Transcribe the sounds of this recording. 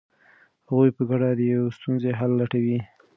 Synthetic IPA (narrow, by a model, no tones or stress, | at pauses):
haɣujpəɡaɽad̪əjawest̪unzeɦalːaʈawi